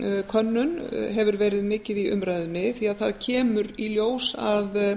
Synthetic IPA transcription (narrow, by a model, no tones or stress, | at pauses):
kʰœnːʏnɦɛvʏɾvɛːɾɪðmɪːcɪðiʏ̰mɾaːjðʏnːɪθiaðθaðcʰɛːmʏɾiljoːwsað